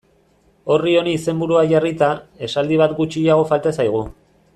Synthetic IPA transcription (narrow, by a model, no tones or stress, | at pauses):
o̞rio̞niːse̞mbuɾuaʝarit̪ae̞sald̪iβ̞at̪ɡut͡ʃiaɣ̞o̞falt̪asajɣ̞u